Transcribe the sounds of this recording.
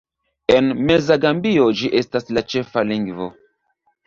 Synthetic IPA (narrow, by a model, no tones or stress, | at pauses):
enmezaɡambiod͡ʒiʔe̞staslat͡ʃe̞faliŋɡvo̰